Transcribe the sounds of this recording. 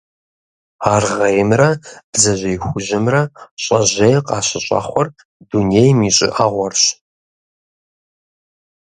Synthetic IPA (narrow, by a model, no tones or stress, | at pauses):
aːrʁɐjɪmrɐb̥zɐʒʷejxʷʊʒɪmrɐɕʼɐʑejqʼɑːɕɪɕʼɐ̰χʷɔr | d̥unejmiːɕʼɪ̰ʔaːʁʷɔrɕ